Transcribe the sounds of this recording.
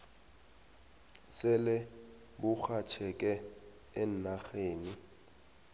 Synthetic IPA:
sɪlɪ | bʊk͡xʰat͡ʃʰɛkʼɛː | n̩naxeːni

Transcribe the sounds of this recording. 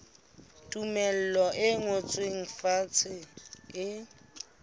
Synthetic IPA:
tʼumɛl̩lɔʔɪŋot͡sʼweŋ̩fat͡sʰɪɪ

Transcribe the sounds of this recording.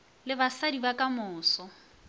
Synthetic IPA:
lɪbasadibakʼamʊːsɔ

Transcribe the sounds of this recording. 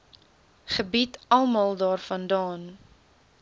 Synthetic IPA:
χəbitɐlˠmɑːlˠdɑːrfɐndɑːn

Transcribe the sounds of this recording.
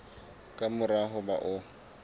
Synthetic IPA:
kʼamʊraɦʊbaʔʊ

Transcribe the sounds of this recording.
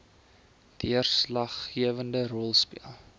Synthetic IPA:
d̥iərslɐχːiəvəndərɔlˠspḭəlˠ

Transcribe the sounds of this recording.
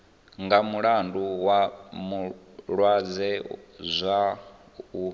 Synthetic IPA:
ŋɡamuɺanduwamu | ɺwad͡zɛzʷa | u

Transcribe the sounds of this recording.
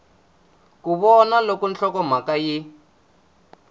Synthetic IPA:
kuβɔnalokɔnt͡ɬɔkɔm̤akaji

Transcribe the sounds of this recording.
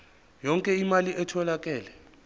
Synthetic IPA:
jɔŋkʼɛimaliʔɛtʰɔlakʼɛːlɛ

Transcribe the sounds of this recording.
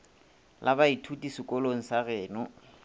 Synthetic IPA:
lʔabaitʰutʼisɪkʼɔloŋ̩saɣɛːnʊ

